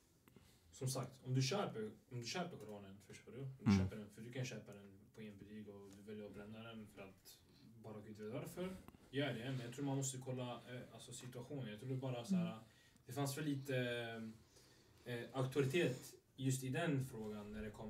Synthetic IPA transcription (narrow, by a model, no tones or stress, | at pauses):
sɔmsakt̪ʰɔmd̪ɵɕøːpəɾɔmd̪ɵɕøːpəɾkʰʊɾoːnənfœʂtoːdʊɔmd̪ɵɕøːpəɖɛnfœɖ̪ɵkʰanɕøːpad̪ɛnpʰɔeːnbɛliːɡɔd̪ɵvɛljəɾɔbɾɛnd̪ad̪ɛnfœɾat̪ | bɑːɾakʰʉnt̪veːt̪vaɾfœɾjœːɖɛmɛnjɑɡt̪ɾuːɾmanmɔst̪əkʰɔlːaalsɔsɪt̪ɵaɧuːnənjɑɡt̪ʰɾuːɾɛbɑːɾasaæːɾa | d̪̥ɛfansvɛlːiːt̪ə | akt̪ɵaɾɪt̪ʰeːt̪ | jɵst̪ɪd̪ɛnfɾoːɡanːæɖɛkʰɔm